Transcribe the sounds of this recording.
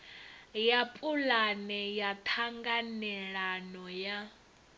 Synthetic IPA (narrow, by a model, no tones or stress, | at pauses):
japʼulanɛjatʰaŋɡanɛɺanɔja